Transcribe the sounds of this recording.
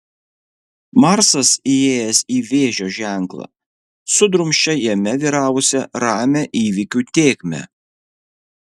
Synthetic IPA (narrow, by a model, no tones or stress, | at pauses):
mɑɾsɐsieːjɛsiːʋʲeːʒʲoːʒʲæˑŋˑklˠɑ̰ | sʊd̪ɾʊmʲʃʲt͡ʃʲɛjɛmʲɛʋʲiːɾɑːʋʊsʲɛɾɑːmʲɛʔiːʋʲɪkʲut̪ʲeːkʲmʲɛ̰